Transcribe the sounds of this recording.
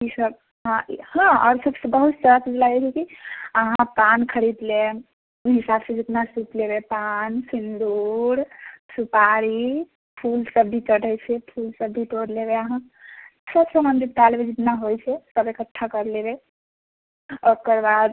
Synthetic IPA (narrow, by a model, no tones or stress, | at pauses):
isəb | ɦãhãɔ̰ɾsəbsəbəɦut̪t͡ʃəɾasid͡ʒlaɡɛt͡ʃʰɛkiəɦãpankʰəɾid̪le | uɦisabsə̃d͡ʒet̪nasut̪lebepansind̪uɾsupaɾi | pʰulsəbɖʱitəɽɛjt͡ʃʰɛpʰulsəbbiʈoɽlebeaɦã | səbsə̃mənd̪iɾʈ̪almed͡ʒit̪naɦojt͡ʃʰɛsəbekəʈʰːakəɾlebe | okəɾbad̪